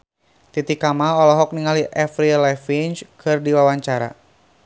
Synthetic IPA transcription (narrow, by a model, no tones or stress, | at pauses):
t̪it̪ikamaɔlɔɦɔk̚niŋaliʔɛfɾilɛfint͡ʃkʰɨrdiwawaɲt͡ʃaɾa̰